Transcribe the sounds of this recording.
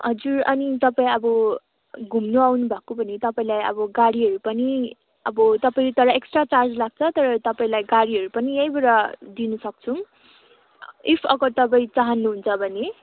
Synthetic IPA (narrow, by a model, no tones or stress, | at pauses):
ɦʌd͡zurʌ̰nit̪ʌpaĩʌbʌ | ɡʱumnuawnubʱakobʌnit̪ʌpaĩlajʌ̰bʌɡaɽiɦʌɾupʌni | ʌbʌt̪ʌpaĩɾut̪ʌɾʌeksʈrat͡sard͡zlaɡ̚t͡sʰʌt̪ʌɾʌt̪ʌpaĩlajɡaɽiɦʌɾupʌnijʌjbʌɾʌd̪inʌsʌk̚t͡sʰu | ipʰʌ̰ɡʌɾt̪ʌbaĩt͡saɦʌnːuɦunt͡sʰʌbʱʌne